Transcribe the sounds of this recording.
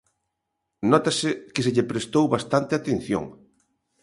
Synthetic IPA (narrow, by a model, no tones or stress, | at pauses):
nɔt̪asɪkɪsɪʎɪpɾest̪owβast̪ant̪ɪat̪en̟θjo̰ŋ